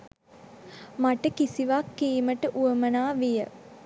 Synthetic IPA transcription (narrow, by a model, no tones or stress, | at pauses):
maʈəkisiʋakːiːməʈəʔuəmənaːʋijə